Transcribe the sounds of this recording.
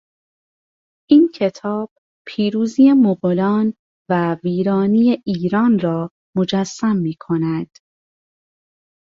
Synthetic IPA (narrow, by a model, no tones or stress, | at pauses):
ʔiːncʰe̞t̪ʰɒːb̥̚ | pʰiːɾuːziːjemoɣolɒːn | væviːɾɒːniːjeʔiːɾɒːnrɒː | mo̞d͡ʒæsːæmːiːkʰo̞næd̪̥